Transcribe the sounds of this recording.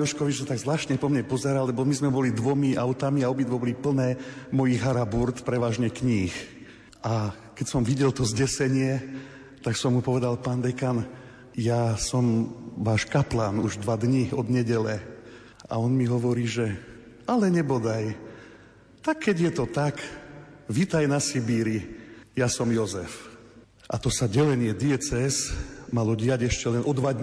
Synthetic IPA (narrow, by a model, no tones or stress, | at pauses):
ɔʃkɔʋit͡ʃsat̪aɡzʋlaːʃɲɛpɔmɲɛpɔzɛɾaːlɛbɔmizmɛbɔlid̪ʋɔmiʔaʊt̪amiaɔbid̪ʋɔbɔlipl̩nɛːmɔjiɦaɾabuɾt̪pɾɛʋaːʒɲɛkɲiːx | ʔa | kɛcsɔmʋiɟɛlt̪ɔzɟɛsɛɲɪɛ | t̪aksɔmːupɔʋɛd̪alpaːnd̪ɛkan | jasɔmʋaːʃkaplaːnuʒd̪ʋad̪ɲiɔd̪ɲɛɟɛlɛ | a̰ɔnmiɦɔʋɔɾiːʒɛ | alɛɲɛbɔd̪aj | t̪akʰːɛɟjɛt̪ɔt̪ak | ʋiːt̪ajnasibiːɾijasɔmjɔzɛf | ʔa̰t̪ɔsaɟɛlɛɲɪɛd̪iɛt͡sɛɛsmalɔɟɪaɟɛʃcɛlɛnʔɔd̪ʋad̪